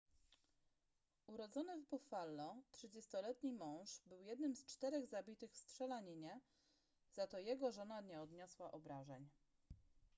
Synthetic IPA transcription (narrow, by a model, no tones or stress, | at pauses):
uɾɔd̪zɔnɘvbɔfalːɔt̪ʂɘd͡ʑɛst̪ɔlɛt̪ɲimɔ̃w̃ʂbɘwjɛd̪nɘmst͡ʂt̪ɛɾɛɣzabʲit̪ɘxst̪ʂɛlaɲiɲɛ | z̥at̪ɔjɛɡɔʐɔnaɲɛɔd̪ɲɔswaʔɔbɾaʐɛɲ